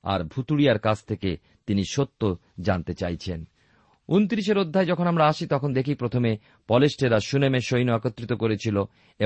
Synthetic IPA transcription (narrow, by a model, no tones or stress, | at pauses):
a̰ɾbʱut̪uɽijaɾkad͡ʑʰt̪ʰeke | t̪iniʃot̪ːo | d͡ʑant̪et͡ɕajt͡ɕʰen | unt̪ɾiʃ̬eɾod̪ʱːaed͡ʑɔkʰonamɾaaʃit̪ɔkʰond̪ekʰipɾot̪ʰome | pɔlesʈeɾaʃunemeʃojnoakot̪ːɾit̪okoɾet͡ɕʰilo | e